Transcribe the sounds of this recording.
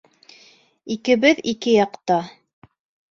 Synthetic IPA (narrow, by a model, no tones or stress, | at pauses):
ikɘ̆βɘðikɘjɑqt̪ɑ